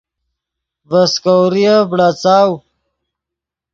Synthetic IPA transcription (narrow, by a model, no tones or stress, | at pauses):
vɐskowɾijabɽat͡saːw